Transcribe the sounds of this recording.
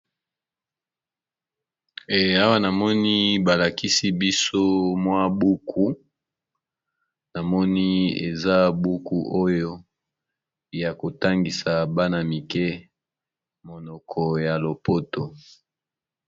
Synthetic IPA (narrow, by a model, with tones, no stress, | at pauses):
e˨a˦wa˦na˨mɔ˦ni˦ba˨la˨ki˦si˦bi˦so˦mwa˦bu˦kʰu˦ | na˨mɔ˦ni˦ḛ˨za˦bu˦ku˦ʔo˦jo˦ | ja˨ko˨ta˦ŋɡi˨sa˨ba˦na˨mi˨kɛ˦ | mo˨nɔ˨kʰɔ˨ja˨lo˨po˦to˨